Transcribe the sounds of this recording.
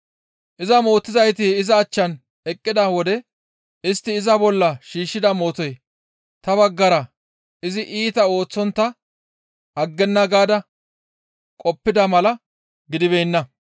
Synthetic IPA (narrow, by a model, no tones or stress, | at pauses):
ʔɪzɐmo̞ːt̪ːɪzɐjt̪ɪɪzɐːt͡ʃːɐn | ɛkʼːɪd̪ɐwɔd̪ɛ | ɪst̪ːɪːzɐbɔlːɐʃiːʃːɪd̪ɐmo̞ːt̪ɔj | t̪ɐbɐɡːɐɾɐ | ɪzɪʔiːt̪ɐo̞ːt͡sːɔnt̪ːɐ | ɐɡːɛnːɐɡaːd̪ɐ | kʼɔpːɪd̪ɐmɐlɐ | ɡɪd̪ɪbejnːɐ